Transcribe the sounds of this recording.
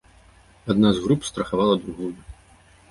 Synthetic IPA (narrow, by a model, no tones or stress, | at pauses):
ad̪nazɣɾupst̪ɾɐxavalˠɐd̪ɾuɣuju